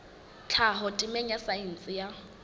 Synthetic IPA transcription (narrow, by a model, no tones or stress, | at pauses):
t͡ɬʰaɦɔtʼɪmɛɲjasaɛn̩t͡sʼɪja